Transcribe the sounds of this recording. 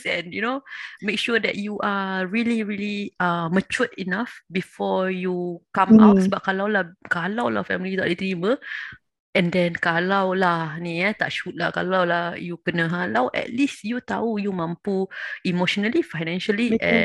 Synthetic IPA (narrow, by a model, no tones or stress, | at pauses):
ɛ̃njunomek̚ʃudɛ̰t̚juʔaɹiliɹiliamət͡ʃutinafbifɔjukãma̰t̚səbap̚kalawlahkalawla̰hfɛ̰milijut̪a̰ʔdit̪ɾimə | ʔɛ̃ndɛ̃nkalawlahnĩat̪a̰ʔʃut̪̚lahka̰lawlahjukənə̃ɦãlawʔɛ̰t̚lisjut̪aujumãmpuimoʃɔnəlifajnɛ̃nʃaliʔɛ̰̃